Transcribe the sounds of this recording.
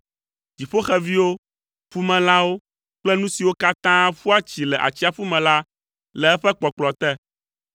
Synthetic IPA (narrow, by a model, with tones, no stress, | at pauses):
ti˨ɸo˦xɛ˦vi˦wo˦ | fu˦mɛ̃˨lã˦wo˦ | k͡plɛ˦nũ˦si˨wo˦ka˦t̪ã˦fu˦a˦t͡ɕi˨lɛ˨ʔa̰˨t͡ɕi˦a˨fu˦mɛ̃˨la˦ | lɛ˨ɛ˦ɸɛ˦k͡pɔ˨k͡plɔ˨t̪ɛ˦